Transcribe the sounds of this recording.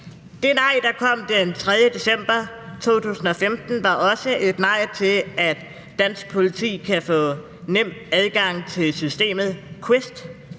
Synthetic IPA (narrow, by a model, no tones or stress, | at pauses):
d̥e̝nɑ̈ɪ̰d̥ɑ̈kʰɒ̽m̰d̥ent͡sʰʁɛðˠjəd̥e̝sem̰b̥ɐ | t͡sʰo̝̰ːt͡sʰṵːsn̩ɒ̽femd̥n̩ʋɑ̈ʔɒ̽səʔe̝d̥nɑ̈ɪ̰t͡sʰe̝læd̥ː | æn̰sɡ̥̚pʰo̝lit͡sʰḭːkʰæfɔ̰̽ː | nem̰d̥æð̞ˠɡ̥ɑ̈ŋ̰t͡sʰe̝lsysd̥e̝̰ːmð̞̩ˠkʰwesd̥